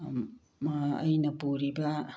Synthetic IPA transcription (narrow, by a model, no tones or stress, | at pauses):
maɐ̰jnɐpuɾibɐ